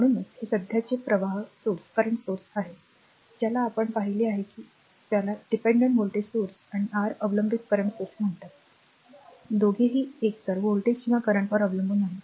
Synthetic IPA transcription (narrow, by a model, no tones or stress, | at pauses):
m̤əɽ̃uːnet͡shesəd̪ʱjat͡ɕepɾəʋaɦsoɾskəɾəɳsoɾsaɦe | d͡ʑjalaːpəɳpaɦiliːaɦekiː | t̪jalaɖipẽɳɖəɳʈmulʈisoɾsañiʔaɾəʋləmbʱit̪̚kəɾəɳsoɾsm̤əɳt̪at̪ | d̪oɡʱeɦiːeksəɾʋolʈeɕimakəɾəɳpəɾəʋləmbʱuːnaɦe